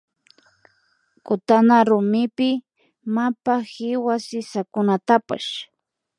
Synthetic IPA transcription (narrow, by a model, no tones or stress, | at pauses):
kʊt̪anaɾʊmɪpɪ | mapahɪwasɪsakʊnat̪apa̰ʃ